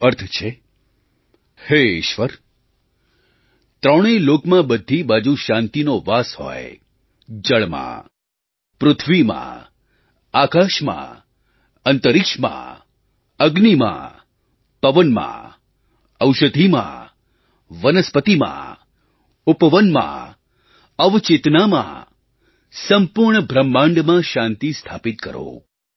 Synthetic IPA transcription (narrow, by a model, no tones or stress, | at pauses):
əɾt̪ʰt͡ʃʰe | heɪʃʋəɾ | t̪ɾəɽ̃ilokmãbəd̪ʱːibad͡ʒuʃãnt̪inoʋashɔ̰e | d͡ʒəɭmã̰ | pɾʊt̪ʰʋimã̰ | akaʃmã̰ | ənt̪əɾɪkʃmã̰ | əɡnimã̰ | pəʋənmã̰ | əwʃəd̪ʱimã̰ | ʋənəspət̪imã̰ | upəʋənmã̰ | əʋt͡ʃet̪namã̰ | səmpʊɾɳəbʱɾəmːãɳɖmãʃãnt̪ist̪ʰapit̪̚kəɾo̰